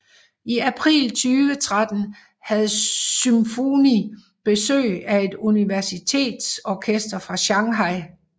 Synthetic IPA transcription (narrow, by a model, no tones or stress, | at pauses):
iæpʰʁḭːlt͡sʰyːʋət͡sʰʁad̥ən̩ | hæð̞̩ˠsymfoni | b̥e̝sø̰ːɪæe̝d̥uniʋæɐsit͡sʰe̝̰ːd̥sɒkʰesd̥ɐfʁɑ̈ɕɑ̈ŋɦɑ̈ɪ̰